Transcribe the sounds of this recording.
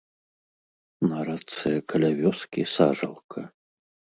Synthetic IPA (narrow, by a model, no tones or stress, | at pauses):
nɐɾat̪sɨjɐkʰɐlʲavʲɔskʲisaʐɐ̰lˠkʰɐ